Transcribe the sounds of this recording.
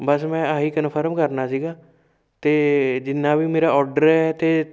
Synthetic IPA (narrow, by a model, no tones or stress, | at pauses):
bəsmɛ̃ːaːɦiːkənpʰəɾəmkəɾnaːsiːɡaː | t̪eːd͡ʒɪnːaːbʱiːmeːɾaːɔːɾɖəɾɛt̪eː